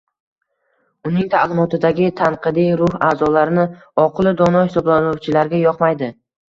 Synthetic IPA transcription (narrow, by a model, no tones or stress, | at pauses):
ʊnɪŋt̪ʰalˠɪmɒt̪ɪd̪aɡʲɪt̪ʰaɴqʰɨd̪ijɾʊhaːzɒlaɾɪnɪ | ɒqʰlˠɪd̪ɒnɒhɪsɒblanʊwt͡ʃʰɪlaɾɡʲajɒqmajd̪ɪ